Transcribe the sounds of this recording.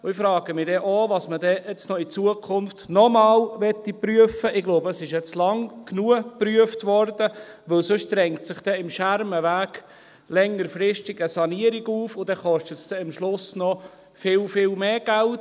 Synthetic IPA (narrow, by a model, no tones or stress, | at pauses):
ʊɪfɾɑːɡ̥əmɪdɛʔɔʋɑsmədɛɛt͡snɔit͡suəkʰʊnftnɔmɑːlʋɛt̪ːipryəfəʔɪɡloʊbəəsɪʃjɛt͡slɑŋknuəpryəftʋɔɾd̥əʋɵlsʊʃd̪̥ɾɛŋktsɪχd̥ɛɪmʃæɾməʋæːɡ | lɛŋːəɾfɾɪʃtiɡəsɑniəɾiɡuːfʊdɛχɔʃtətsdɛɪmʃlʊsnɔ | fɪlfɪlmeːɡ̥ælt